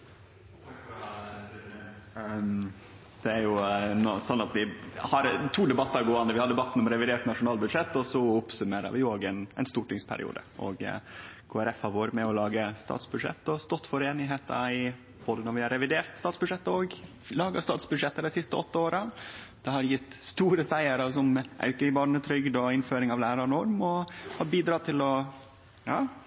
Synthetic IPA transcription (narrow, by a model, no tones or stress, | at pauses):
d̪̥ɛæɾjʊnɔsɔnːɑt̪ʋɪhɑɾt̪ʰuːd̪ɛbɑt̪ːəɾɡoːɑnd̪əɾʋɪhɑɖ̪ɛbɑt̪ːn̩ɔmɾɛʋɪd̪eːʈ̪nɑʂʊnɑːlbʉd̪ʂɛt̪ːɔsɔʊpsʉmeːɾə̰ʋɪoːɡɛnɛ̰nst̪uːʈɪŋspʰæ̰ɾɪ̰ṵːd̪ə̰ɔ̰ɡkʰoːæɾɛfhɑɾʋoːɾəmɛɔlɑːɡəst̪ɑ̰ːt̪sbʉd̪ʂɛ̰t̪ːɔst̪ɔt̪ːfɔɾeːnɪɦeːt̪ɑ̰ɪ | b̥oːd̪ənɔɾʋɪhɑɾɛʋɪd̪eːɾt̪st̪ɑːt̪sb̥ʉd̪ʂɛt̪ːoɡ | lɑːɡɑst̪ɑːt̪sbʉd̪ʂɛt̪ːəd̪ɛɪsɪst̪əɔt̪ːəoːɾəd̪̥ɛhɑɾjɪt̪ːst̪uːɾəsæɪəɾɑsɔmʔɑ̰ʉkəɪbɑːɳət̪ʰɾʏɡd̪ɔɪnføːɾɪŋɑʋlæːɾɑɳɔɾmɔhɑːbiːd̪ɾɑːt̪ʰɪlɔ | jɑː